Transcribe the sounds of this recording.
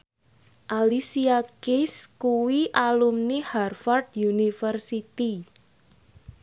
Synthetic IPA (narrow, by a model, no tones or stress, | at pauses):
ʔalisiakɪskuwiʔalumniharfɔrd̪junifərsit̪i